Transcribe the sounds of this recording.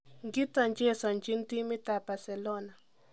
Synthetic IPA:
ŋɡi˦t̪a˨nt͡ʃe˦sa˨nt͡ʃi˦nt̪i˦mi˦t̪a˨pa˨se˨lo˦na˨

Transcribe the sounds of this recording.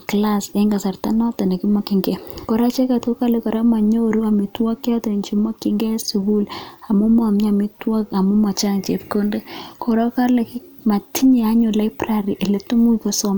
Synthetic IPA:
kla˦seŋɡa˨sa˨rta˦nɔ˦ta˨ne˨ki˦ma˦ki˨ŋɡɛ˦kɔ˨ɾa˦t͡ʃe˦ka˨tko˦ka˦le˨kɔ˨ɾa˦ma˨ɲo˦ɾu˦a˨mi˨twɔ˦kja˦te˨ɲt͡ʃi˦ma˦ki˦ŋɡɛ˦su˨ɡu˦la˨mu˦ma˨mɲa˨mi˦twa˦ka˨mu˦ma˨t͡ʃa˦ŋt͡ʃe˨pko˦nde˦kʰo˨ɾɔ˦ka˦le˨kma˨tʰi˦ɲe˨a˦ɲo˨la˦ɪpraɾi˨ʔe˨le˦tu˦mu˦kɔ˨sɔ˦m

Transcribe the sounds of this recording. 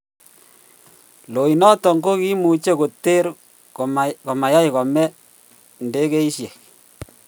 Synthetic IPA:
lo˨i˨nɔ˦tɔ˨ŋɡo˦ki˦mu˨t͡ʃe˦ko˨te˦ɾ | ko˨ma˨ja˦i˨kɔ˨mɛ˦ | nde˦ke˦i˦ʃje˨k

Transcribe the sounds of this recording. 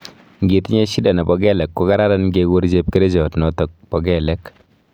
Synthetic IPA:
ŋɡe˨ti˦ɲɛ˦ʃi˦da˨nɛ˨bɔ˨ɡɛ˦lɛ˨kːo˦ka˦ɾa˦ɾa˦nɡeɡo˦ɾd͡ʒe˦p̚ke˦ɾe˦d͡ʒɔ˨tnɔ˨tɔ˨k̚pɔ˨ɡɛ˦lɛ˦k

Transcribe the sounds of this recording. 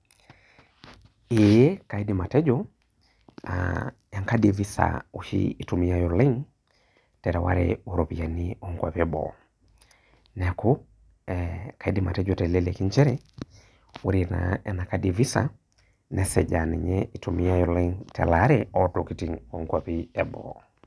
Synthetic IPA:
ijɛ˦ka˨i˦dima˨tɛ˦d͡ʒɔ | a̰ | ja˨ŋka˦divi˦sa̰uʃḭi˨tumi˦a˨jɔlɛ˦ŋ | tɛ˨ɾɛ˨wa̰˦ɾɛ̰u˨ɾɔ˨pia˨niɔŋɡwa̰˨pɛbɔ̰˨ | nɛ˨a˨ku˦ | ɛka˨idima̰˨tɛ˦d͡ʒɔtɛ˨lɛlɛ˨ki˦ɲt͡ʃɛ˦ɾɛ | u˦ɾina̰ɛ˨na˨kadivi˦sa̰ | nɛsɛ˨d͡ʒanɛ˨ɲɛi˨tumi˦a˦jɔlɛ˦ŋtʰɛ̰˨la˦ɾɛɔ˦tɔki˦ti˨ŋɔŋɡwapiɛbɔ̰

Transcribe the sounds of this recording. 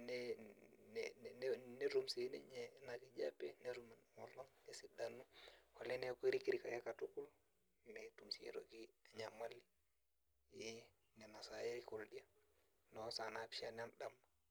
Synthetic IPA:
nɛn˨n˦ne˦ɾu˦mse˨˦nḛ˦ɲɛ˨˦na˨ki˦d͡ʒa̰˦pe˦ne˦ɾu˦m˨n˨ŋo˨lo˦ŋne˨si˨da˨nu˦ha˨le˦ne˦ki˦ɾi˦ki˦ɾi˨ka˨je˦ka˨tu˦ku˦l | me˨˦tu˨msi˨ḛ˦ɾo̰˨ki˦a˨ɲa˨ma˦li˦ | je˦ | nɛ˨na˨sa˦je˦i˦ko˨ldi˦a˦ | no˨˦sa˨na˦pʃa˦n˦a˦nda˦ma

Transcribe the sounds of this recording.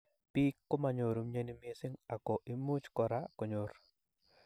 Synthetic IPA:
pi˦kːʊ˦ma˨ɲo˨ɾu˨mɲe˦ni˦me˦sɪ˦ŋa˨kɔ˨ʔi˨mu˦t͡ʃkɔ˨ɾa˦ko˨ɲo˨ɾ

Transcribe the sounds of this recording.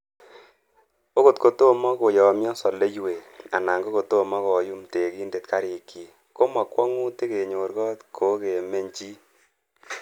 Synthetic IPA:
o˦ko˨tko˨to˦mɔ˦ko˨jɔ˨˦mjɔ˦sɔ˨le˦jwe˨a̰˨na˨ŋɡo˦ko˨to˦mɔ˦kɔ˨ju˦mte˨ki˦nde˨tka˦ɾɪ˨ki˨ | ko˦ma˨kwɔ˦ŋu˦te˦ke˨ɲo˨ɾɡɔ˦tkʰo˨˦ke˨me˦ɲt͡ʃi˦

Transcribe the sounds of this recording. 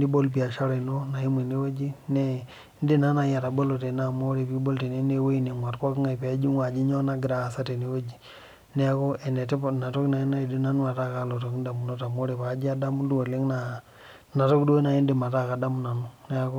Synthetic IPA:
ni˦bo˦lp̬i˨a˨ʃa˦ɾe˨no˦na˨ji˦mi˨ne˦wo˦d͡ʒi˦ne˦ | n˦di˦na˦na˨ja˨ta˨bo˦lo˨te˨na˨mo˦ɾe˨pi˦bo˦lte˨ne˦ne˦we˦i˦ne˨ŋwa˨tko˦kŋa˨pa˨˦d͡ʒi˦ŋwa˨d͡ʒi˦ɲo˦na˦ɡɾa˨sa˦te˨ne˨˦wo˦d͡ʒi˨ | ne˦a˦ko˦ʔe˨ne˨te˦˨na˨to˦kna˨i˦na˦i˨di˦na˦nu˦a˨ta˦ka˦lo˨to˨kn˦da˨mu˨no˦ta˨mo˦ɾe˨pa˨˦d͡ʒi˦a˦da˦mu˦du˦wo˨le˦ŋna˨ | na˨to˦kdo˦na˨i˦ndi˨ma˨ta˦˨ka˨da˦mu˨na˨nu˦ne˦a˦ko˦

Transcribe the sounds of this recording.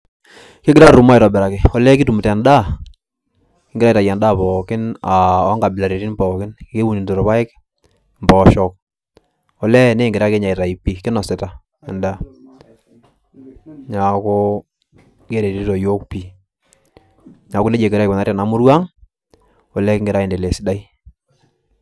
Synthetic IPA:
kɪ˦ɡɪ˦ɾa˦ɾu˨ma˦ɪ˨tɔ˨bɛ˨ɾa˨kɪ˨ɔ˨lɛ˦kɪ˦tu˨m˨tɛ˨nda˦ | ɪ˦ŋɡɾa˦i˨ta˨jɛ˨nda˦˨pɔ˨kɪ˦na˨ɔ˦ŋɡa˨bɪ˨la˨ɾe˨ɾi˦nbɔ˨kɪ˦nke˦wu˨ni˨nto˨ɾpa˦ɪ˦k | mbɔ˨ʃɔ˨k̚ | ɔ˨lɛ˦ne˦˨ŋɡɪɾa˦ke˦ɲa˨i˨ta˨i˨pi˨kɪ˦nɔ˨sɛ˨ta˨ | ɛ˨nda˦ | ɲa˨ko˦ | ke˦ɾe˨ti˦tɔ˨jo˦k̚pi˨ | ɲa˨kʊ˦ne˦d͡ʒe˨kɪ˨ɾa˦jkɔ˨na˦ɾja˨na˨mʊ˦ɾwa˦ŋ | ɔ˨lɛ˦kɪ˦ŋɡɪ˨ɾa˦i˨nde˨le˨sɪ˦da˦i˦

